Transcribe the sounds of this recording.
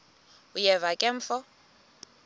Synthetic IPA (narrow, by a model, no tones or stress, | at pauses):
ujɛvakʼɛɱ̩fɔ